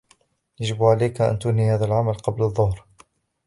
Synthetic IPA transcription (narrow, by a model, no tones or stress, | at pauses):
jaʒɪbʕalajkaʔa̰nt̪ʊnhihaːðalʕamalqɑblaðˤːʊhɾ